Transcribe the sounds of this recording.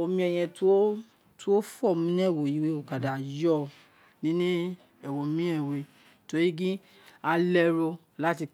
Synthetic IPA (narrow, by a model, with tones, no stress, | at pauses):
o˨mĩ˦ɛ˧j̃ɛ̃˧tu˦o˦ | tu˦o˦fɔ˦˨mĩ˦nĩ˦ɛ˦˨wo˨ji˨˦we˦o˨ka˨da˨jɔ˦ | nĩ˦nĩ˦ | ɛ˨wo˨mĩ˦ɛ˦˨we˨ | to˧ɾi˦ɡĩ˦ | a˧lɛ˧ɾo˧ | la˨˦ti˧